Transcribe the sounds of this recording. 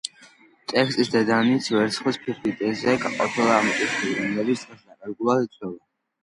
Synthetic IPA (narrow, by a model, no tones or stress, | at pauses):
t̪ʼɛkʰsʼisd̪ɛd̪anit̪sʰvɛɾt̪sχwispʰipʰit̪ʼɛzɛkʼaqʼɔt̪ʰɛlˠaːmɔkʼit̪ʰilɾɔmlɛlit̪sʰt̪ʼɛsnakʼaɾɡulˠasit̪sʰʼwɛla